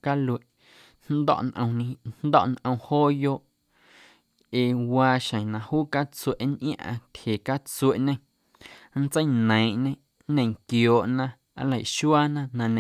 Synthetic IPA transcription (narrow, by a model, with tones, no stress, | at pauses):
ka˦lwe˨ʔ | nnd̪ɔ̰˦˨ʔnʔə̰̃˧w̃nĩ˧nd̪ɔ̰˦ʔnʔə̃˧w̃hoː˦joː˦ʔ | e˧waː˧ʃə̃˨nã˧huː˦ka˦t͡su˧e˨ʔnʔj̃ã̰˦ʔã̰˧t̪ʲhe˨ka˦t͡swe˨ʔɲẽ˦ | n̩˦t͡sə˦jnə̃˨ʔɲẽ˧˦ | nẽ˧˨ŋkjoː˨ʔnã˧ | a˧˦lə˨ʃu˦aː˦nã˦nã˧nẽ˧